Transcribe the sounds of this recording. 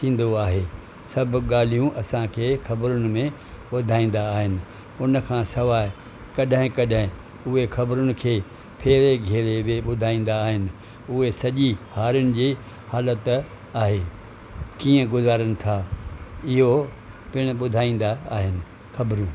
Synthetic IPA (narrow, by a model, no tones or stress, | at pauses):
sʰĩːn̆d̪oaːɦe | sɐbʱʊɠaːl̤ijũʔɐsãkʰeːxɐbɾʊnɪ̆mẽ | ɓʊd̪ʱaːĩːn̆d̪aːɦɪnɪ̆ | ʊnə̆kʰãːsɐʋaːɪ | kɐɗɦɪ̃kɐɗɦɪ̃ | ʊɦexʰɐbɾʊnɪ̆kʰeː | pʰeːɾeɡʱeːɾebeɓʊd̪ʱaːĩːn̆d̪aːɦɪnɪ̆ | ʊɦesɐʄihaːɾʊnɪ̆d͡ʑiː | haːlət̪ | aːɦeː | kiːə̃ɡʊzaːɾəñɪ̆t̪ʰa | ɪɦo | pɪɽ̃ʊɓʊd̪ʱaːĩːn̆d̪aaːɦɪnɪ̆ | xɐbɾũ